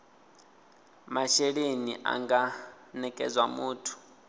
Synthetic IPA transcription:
maʃeɺeniʔa̰ŋɡa | nɛkʼɛ̰d͡zwamuːtʰu̥

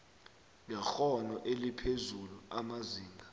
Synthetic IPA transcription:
ŋɛxɔnɔʔelipʰezuluamaziːŋɡʱa

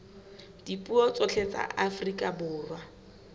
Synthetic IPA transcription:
d̥ipʼuɔt͡sʼot͡ɬʰet͡sʼa̰afrikʼabʊːrwa

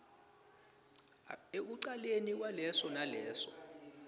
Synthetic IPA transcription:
ek̬uǀalenik̬walɛsɔnalɛːsɔ̥

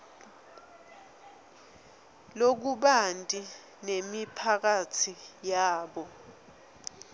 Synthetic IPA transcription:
lok̬uɓantʼi | nemipʰak̬atʰijaːɓɔ

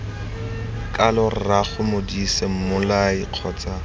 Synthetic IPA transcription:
kʼalɔr̩raχʊmodisem̩mʊlaɪq͡χʰɔːt͡sʼa

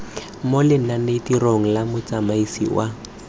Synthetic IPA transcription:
molɪn̩nanetiroŋ̩lamʊt͡samaisḭwa

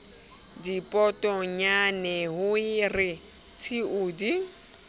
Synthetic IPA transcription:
dipʼɔtʼɔɲanɛɦʊɪrɪ | t͡sʰɪʊːdi

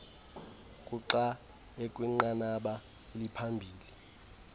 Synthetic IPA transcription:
kʼuǀa | ekʼwiŋ͡ǃanaɓa | elipʰambʱiːli

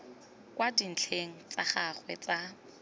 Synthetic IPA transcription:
kwadin̩t͡ɬʰeŋ̩t͡saχaχwɛt͡sa

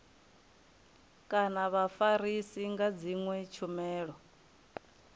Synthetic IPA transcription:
kʼanaβafaɾisiŋɡad͡ziŋwɛt͡ʃʰumɛːɺɔ

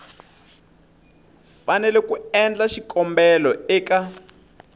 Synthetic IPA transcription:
fanɛlɛkuɛnd͡ɮaʃikɔmbɛlɔɛːka

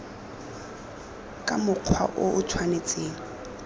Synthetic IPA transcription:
kʼamʊq͡χʰwa̰ʔʊʔʊtʰwanet͡sʼeːŋ̩

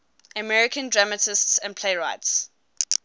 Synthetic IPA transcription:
əmɛɹɪkʰə̃ndɹamətɪstsə̃npʰl̥eɪɹaɪts

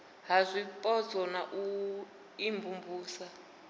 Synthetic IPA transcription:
ɦazʷipʼɔd͡zɔnaʔu | imbumbuːsa

